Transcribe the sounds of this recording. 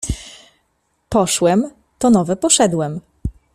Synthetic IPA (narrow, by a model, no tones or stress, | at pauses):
pɔʂwɛm | t̪ɔnɔvɛpɔʂɛd̪wɛm